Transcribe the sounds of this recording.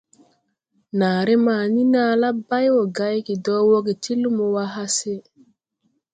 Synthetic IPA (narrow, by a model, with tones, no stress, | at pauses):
naː˨ɾe˦ma˨ni˦naː˨la˦ba˦jwo˨ɡa˦jki˨dɔ˦wo˦ɡe˨ti˦lu˦mo˨wa˦ɦa˦se˦